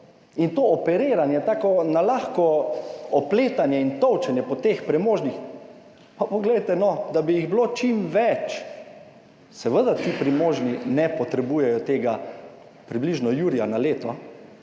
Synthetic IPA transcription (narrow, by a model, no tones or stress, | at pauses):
int̪oːɔpɛɾeːɾanjɛt̪aːkɔnalaːxkɔɔpleːt̪anjɛint̪ɔwt͡ʃɛnjɛpɔt̪expɾɛmoːʒnix | papɔɡlɛjt̪ɛnɔd̪abijiɣblot͡ʃimʋɛt͡ʃ | sɛʋəd̪at̪iːpɾimoːʒninɛpɔt̪ɾɛbujɛjɔt̪eːɡa | pɾibliʒnɔjuːɾijanaleːt̪ɔ